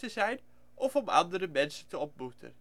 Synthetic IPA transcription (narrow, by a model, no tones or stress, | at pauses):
təzɛjn | ʔɔfɔmɑ̰ndərəmɛnsəntəɔp̚butə̰n